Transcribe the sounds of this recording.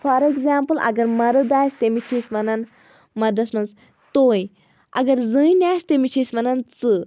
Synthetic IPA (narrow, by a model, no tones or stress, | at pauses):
faɾeɡzaːmpəlʔɐ̰ɡɐɾmɐɾəd̪aːjst̪emit͡ʃʰismɐnɐn | mɐɾd̪ɐsmɐns | t̪oːj | ɐ̰ɡəɾzɨnʲaːjst̪emit͡ʃʰismɐnɐnt͡sɨ